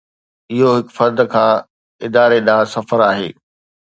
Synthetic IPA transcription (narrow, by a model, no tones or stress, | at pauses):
ɪɦoɦɪkfɐɾd̪kʰãː | ɪd̪aːɾeɗãːsɐfəɾaːɦeː